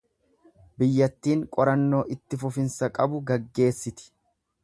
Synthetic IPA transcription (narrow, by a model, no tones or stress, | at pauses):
bɪjːɐt̪ːiːŋkʼɔɾɐnːo̞ːʔɪt̪ːɪfʊfɪnsɐkʼɐbʊɡɐɡːe̞ːsːɪt̪ɪ̥